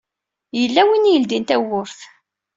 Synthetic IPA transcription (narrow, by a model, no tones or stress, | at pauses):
jəlːæwinijəld̪int̪æwʊɾθ